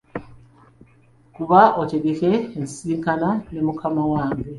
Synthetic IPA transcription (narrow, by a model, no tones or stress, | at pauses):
kuβaʔoceɡekeːnsiːŋkanane̞mukʰamawaːŋɡe